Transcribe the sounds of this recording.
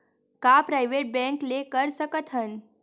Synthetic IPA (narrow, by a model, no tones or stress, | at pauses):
kapɾajʋeʈ̚bɛ̃ŋklekəɾsəkət̪ʰən